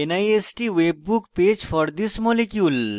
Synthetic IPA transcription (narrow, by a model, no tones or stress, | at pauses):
enaiesʈiʋeːb̚ːukpeːd͡ʒfɔɾd̪ɪsmɔlekjuːl